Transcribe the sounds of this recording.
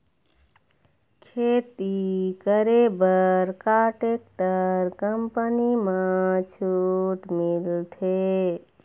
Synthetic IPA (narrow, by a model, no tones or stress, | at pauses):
kʰet̪ikəɾebəɾkaʈek̚ʈəɾkəmpənimãt͡ʃʰuʈmilt̪ʰe